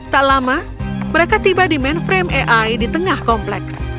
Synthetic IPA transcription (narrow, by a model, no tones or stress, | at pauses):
t̪aʔlama | məɾekat̪ibadimɛnfɾemeʔajdit̪əŋahkɔmplɛks